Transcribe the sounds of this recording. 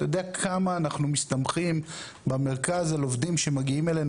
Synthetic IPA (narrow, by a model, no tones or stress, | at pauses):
tajod̪eakʰamaːnaχnumist̪amχim | bemeʁ̞kazalo̞vdimʃe̞maɡiimelen